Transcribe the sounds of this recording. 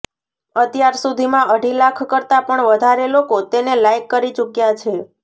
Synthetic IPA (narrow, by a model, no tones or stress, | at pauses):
ət̪jaɾsud̪ʱimãʔəɖʱilakʰkəɾt̪apəɳʋəd̪ʱaɾelokot̪enelajkːəɾit͡ʃukjat͡ʃʰe